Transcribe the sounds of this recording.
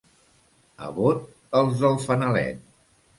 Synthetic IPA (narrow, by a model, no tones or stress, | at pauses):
ə̰βot̪̚ | əlˠzðəlˠfənəlɛ̰t̪̚